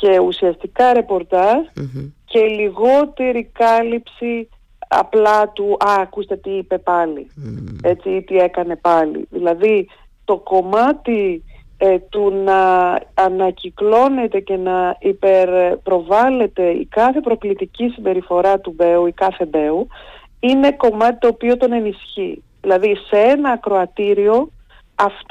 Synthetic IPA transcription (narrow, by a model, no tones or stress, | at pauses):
ce̞usiɐst̪ikɐɾe̞po̞ɾt̪ɐsce̞iliɣo̞t̪eɾikɐlipsi | ɐ̰plɐt̪uʔɐːkust̪e̞t̪iipe̞pɐlḭe̞t͡sit̪ie̞kɐne̞pɐlḭðilɐði | t̪o̞ko̞mɐt̪i | t̪unɐː | nɐciklo̞ne̞t̪e̞ce̞nɐipeɾpɾo̞vɐle̞t̪e̞ḭkɐθe̞pɾo̞klit̪icisimbe̞ɾifo̞ɾɐt̪ube̞uikɐθe̞be̞u | ine̞ko̞mɐt̪it̪o̞ːpio̞t̪o̞ne̞nisçi | ðilɐðiseenɐːkɾo̞ɐt̪iɾio̞ | ɐf